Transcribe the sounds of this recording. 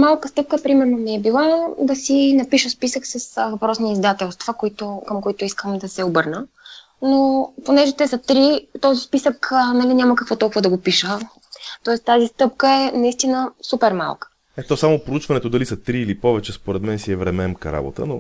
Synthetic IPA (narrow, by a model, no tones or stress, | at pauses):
malˠkəst̪ɤp̚kəpɾimɛɾnomiɛbilˠad̪ɐsinɐpiʃəspisəksɐsvɐpɾɔsniizd̪at̪ɛlˠst̪v̥əkoit̪okəmkoit̪ʊiskəmd̪ɐsɛobɤɾnə | noponɛʒɛt̪ɛsɐt̪ɾit̪ɔzispisəknɐliɲʲaməkɐkvɔt̪ɔlˠkuvəd̪ɐɡopiʃə | t̪ɔɛst̪ːazist̪ɤpkəɛnɐist̪inəsupɛɾma̰lˠkə̥ | ɛt̪ɔsamopɾout͡ʃvɐnɛt̪od̪ɐlisɐt̪ɾiːlipɔvɛt͡ʃɛspoɾɛd̪mɛnsiɛvɾɛmɛmkə̰ɾa̰bo̰t̪ə̰no